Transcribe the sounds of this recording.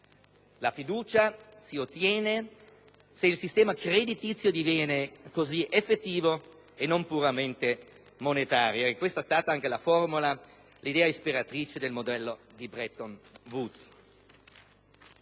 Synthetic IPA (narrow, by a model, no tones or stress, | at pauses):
lafid̪uːt͡ʃasiot̪ːjɛːne | seilsist̪ɛːmakred̪it̪it̪sːjod̪ivjɛːnekoziʔefːet̪ːiːvo | enːompuɾament̪e | monet̪aːɾjoekːwest̪aɛst̪aːt̪aaŋk̟elaformula | lid̪ɛːaispiɾat̪ɾiːt͡ʃed̪elmod̪ɛlːo | d̪ibɾɛt̪onvut̪s